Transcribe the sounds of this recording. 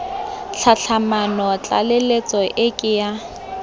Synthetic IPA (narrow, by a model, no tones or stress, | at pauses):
ɬʰaɬʰamanɔt͡ɬʼa̰lɪlet͡sʼɔʔɪkʼɪja